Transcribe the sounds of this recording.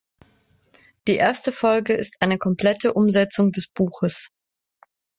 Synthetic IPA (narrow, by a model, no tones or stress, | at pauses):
d̥iːʔeːɐstəfɔlɡəɪstʔaɪnəkʰɔmpl̥ɛtəʔʊmzɛt͡sʊŋdɛsb̥uːxəs